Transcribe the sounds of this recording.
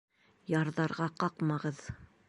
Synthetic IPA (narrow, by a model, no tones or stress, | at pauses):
jɑɾðɑɾʁɑqɑqmɑʁɤð